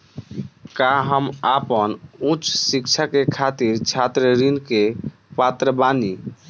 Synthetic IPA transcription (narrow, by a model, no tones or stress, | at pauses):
kaɦəmapənũt͡ʃʰsikt͡ʃʰakekʰat̪iɾt͡ʃʰat̪ɾəɾinke | pat̪ɾəbani